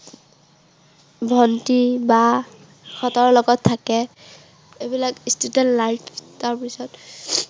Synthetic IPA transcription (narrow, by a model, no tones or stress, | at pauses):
bʱɔntiba | xɔtɔɹlɔɡɔtʰːakɛ | ebilakistudɛntlajpʰtaɹpisɔt